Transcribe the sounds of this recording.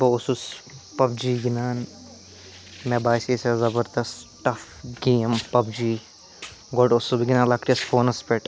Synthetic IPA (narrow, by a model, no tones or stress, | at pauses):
bɐususpɐbd͡ʒiːɡinaːn | mebaːsesezɐbɐɾd̪ɐstʈɐf | ɡeːmpɐbd͡ʒi | ɡoɖosubɡinãːnlakʈisfʰoːnɐspeʈ